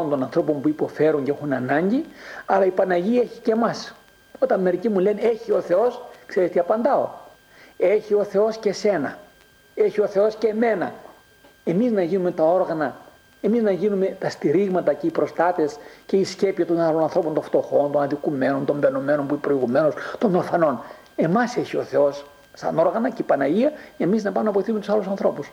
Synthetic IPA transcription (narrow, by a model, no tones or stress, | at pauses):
ont̪o̞nɐnθɾo̞po̞mpuipo̞fe̞ɾuɲceexunɐnɐɲɟiɐlɐipɐnɐʝieçi̥ce̞mɐs | o̞t̪ɐnme̞ɾicimuleneçio̞θe̞o̞skse̞ɾet̪iɐpɐnd̪ɐo̞̰ | e̞çio̞θe̞o̞sce̞se̞nɐ | e̞çio̞θe̞o̞sce̞me̞nɐ̰ | e̞miznɐʝinume̞t̪ɐo̞ɾɣɐnɐ | e̞miznɐʝinume̞t̪ɐst̪iɾiɣmɐt̪ɐceipɾo̞st̪ɐt̪e̞sce̞isce̞piɐt̪o̞nalonɐnθɾo̞pont̪õft̪o̞xo̞nt̪o̞nɐðikume̞no̞nt̪o̞ɱveno̞me̞no̞npuiepɾo̞iɣume̞no̞st̪o̞nd̪ofɐno̞n | e̞mɐse̞çio̞θe̞o̞s | sɐ̰no̞ɾɣɐnɐceipɐnɐʝiɐe̞miznɐpɐmumnɐp̬oiθisumet̪usɐlusɐnθɾo̞pus